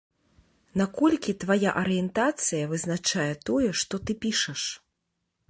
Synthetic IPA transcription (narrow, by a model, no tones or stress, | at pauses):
nakɔlʲkʲit̪vaja̰ʔɐɾɨjɛnt̪at̪sɨjɐvɨznat͡ʂajɛt̪ɔjɛʂt̪ɔt̪ɨpʲiʂɐʂ